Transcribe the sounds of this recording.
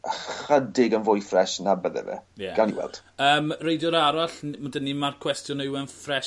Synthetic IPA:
χədɪɡənvʊjfrɛʃnabəðɛ̰vɛ̰jɛɡ̥alˠniwɛ̰lˠd̥əːmrejdjɔɾaɾaɬnmdənːimarkʰwɛstʰjɔnejwɛnfrɛ

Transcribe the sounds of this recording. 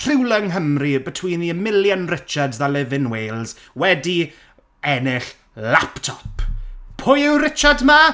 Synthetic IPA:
r̥ɪwlˠəŋɦəmribətʰw̥iːniəmɪljənrɪt͡ʃadðalɪvɪnweːlˠz̥ | wɛdi | ɛnɪɬ | laptʰɔpʰpʰʊjɪwɾɪt͡ʃadma

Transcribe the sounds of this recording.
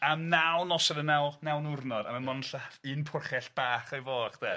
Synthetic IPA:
amnawnɔsɛdənawnawnʊrnɔdamanmɔnnɬafɨnpʰʊrχɛɬb̥aːχajvɔːχd̥ɛ

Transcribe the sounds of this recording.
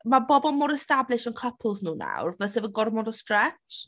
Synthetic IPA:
mabɔbɔlˠmoːɾɛstablˠɪʃənkʰəpʰlˠznuːna̰wrvɛsɛvəɡɔrmɔndɔstrɛt͡ʃ

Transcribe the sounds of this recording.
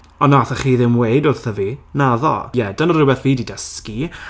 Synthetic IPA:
ɔnaθəχiːðɪmweɨdʊrθəvinaðɔ̰jɛdənəɾʊbɛθviːdidəski

